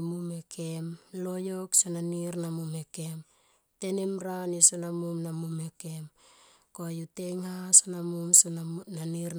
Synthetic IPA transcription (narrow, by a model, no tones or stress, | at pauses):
mumekʰemlo̞joksonaniɾnamume̞ke̞m | te̞nemɾanisonamumnamumekem | kojuteŋhasonamumsnaniɾ